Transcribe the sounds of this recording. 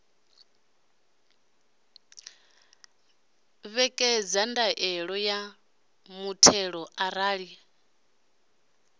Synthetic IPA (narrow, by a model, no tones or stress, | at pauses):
βɛkʼɛd͡zandaʔɛɺɔja | mutʰɛɺɔʔaɾaːɺi